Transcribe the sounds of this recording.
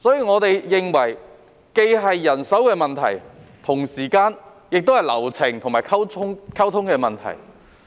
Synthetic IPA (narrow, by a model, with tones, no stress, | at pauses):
sɔː˨˥jiː˨˧ŋɔː˨˧t̪e˨jːɪ˨ŋwɐ˨˩j | ke˧jɦɐ˨jːɐ˨˩nsɐ˨˥wkɛː˧mɐ˨nt̪ʰɐ̰˨˩jt̪ʰʊ˨˩ŋsiː˨˩kaː˧n | jɪ˨k̚t̪o˥whɐ˨˩jlɐ̰˨˩wt͡sʰɪ˨˩ŋt̪ʰʊ˨˩ŋmaː˨˩kʰɐ˥wʊ˥ŋkʰɐ˥wt̪ʰʊ˥ŋkɛː˧mɐ˨nt̪ʰɐ̰˨˩j